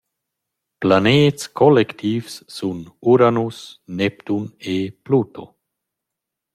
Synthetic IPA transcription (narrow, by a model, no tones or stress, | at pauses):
planeːt̪skʰɔlɛkt̪ʰiːfsːunuɾanusnɛpt̪uneplut̪o